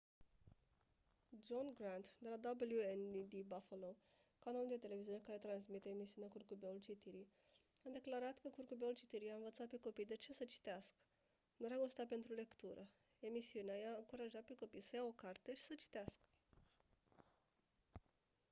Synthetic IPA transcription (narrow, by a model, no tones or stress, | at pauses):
d͡ʒonɡɾant̪d̪e̞lad̪abəljuend̪id̪ibafalo | kanaluld̪e̞t̪ele̞viziunekaɾe̞t̪ɾans̬mit̪eemisiuneakurkubeult͡ʃit̪iɾi | ad̪e̞klaɾat̪kəkurkubeult͡ʃit̪iɾijaɨnvət̪sat̪̚pe̞ko̞pijd̪et͡ʃe̞sət͡ʃi̥t̪easkə | nueɾaɡost̪at̪̚pe̞nt̪ɾule̞kt̪uɾʔə | e̞misiuneajaɨŋkuɾaʒat̪̚pe̞ko̞pijsəjao̞kart̪eʃi̥sət͡ʃi̥t̪easkə̥